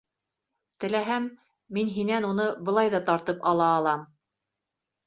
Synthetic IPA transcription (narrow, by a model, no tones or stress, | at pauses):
t̪ɘ̆læɦæmː | inɦinænunɤbɤ̆lˠɑjðɑt̪ɑɾt̪ɤpɑlˠɑːlˠɑm